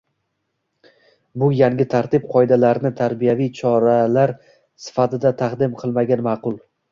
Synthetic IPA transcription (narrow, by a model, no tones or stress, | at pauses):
bʊjaŋɡʲɪt̪ʰaɾt̪ʰɪp̚qʰɒjd̪alaɾnɪt̪ʰaɾbijavijt͡ʃʰɒɾalaɾ | sɪ̥fat̪ɪd̪at̪ʰaqd̪ɪmqʰɨlˠmaɡʲanmɑqʊlˠ